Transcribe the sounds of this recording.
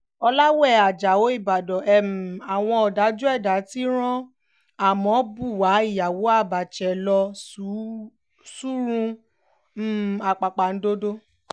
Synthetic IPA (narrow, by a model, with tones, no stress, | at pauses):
ɔ˧la˦wɛ˦˨a˨d͡ʒa˨o˨˦i˦˨ba˨dɔ˨ʔɛ˨m˨a˨w̃ɔ̃˧ɔ˨da˨˦d͡ʒu˦ɛ˦˨da˨˦ti˦ɾ̃ɔ̃˦ | a˨mɔ̃˨˦bu˦˨wa˨˦i˦˨ja˨wo˨˦a˦˨ba˨t͡ʃɛ˨lɔ˧u˨˦ | su˦ɾũ˧˦˨ | a˨k͡pa˨k͡pa˨n̩˨˦do˦do˦